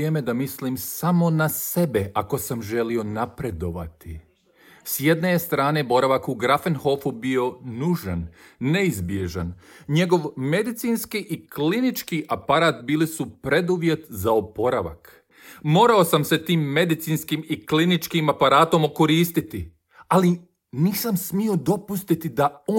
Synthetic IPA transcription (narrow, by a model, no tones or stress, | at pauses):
eme̞d̪amisliːmsamo̞nase̞be̞ʔako̞samʒe̞lio̞napɾe̞d̪o̞ʋa̰t̪i | sje̞d̪ne̞st̪ɾaːne̞bo̞ɾaʋakuɡɾafenho̞fubio̞nuːʒa̰nːeizbje̞ʒa̰nɲe̞ɡo̞ʋme̞d̪it̪siːnskiʔiklinit͡ʃkiʔapaɾaːt̪biːlisupɾe̞d̪uʋje̞t̪zaopo̞ɾaʋa̰k | mo̞ːɾao̞samse̞t̪iːmːe̞d̪it̪siːnskimiklinit͡ʃkimapaɾaːt̪o̞moko̞ɾiːst̪it̪i | ali | niːsamsmio̞d̪o̞pust̪it̪id̪ao